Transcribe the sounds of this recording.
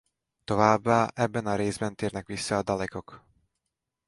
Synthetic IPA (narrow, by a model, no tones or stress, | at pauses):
t̪o̞vaːbːaːʔɛbːɛnɒɾeːzbɛnt̪eːrnɛkʋisːɒːd̪ɒlɛko̞k